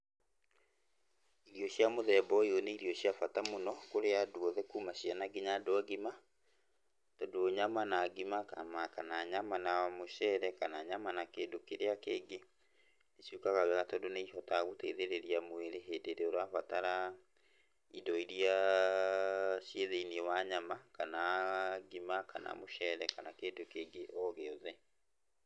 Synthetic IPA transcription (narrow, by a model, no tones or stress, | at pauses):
iɾiɔɕjamoðɛbɔjoneiɾiɔɕjafatamonɔkoɾeadwɔðɛkuːmaɕjanaɡeɲadoaɡima | tɔdoɲamanaɡimakamakanaɲamanamoɕɛɾɛkanaɲamanakeːndokeɾeakeːɡe | isjukaɣawɛɣatɔdoneiɦɔtaɣoteðeɾeɾiamweɾeɦedeɾeoɾaβataɾa | idɔiɾia | sjeðeiniewaɲamakanaɡimaka̰na̰moʃɛɾɛkanakedokeːɡeʔɔɣeɔðɛ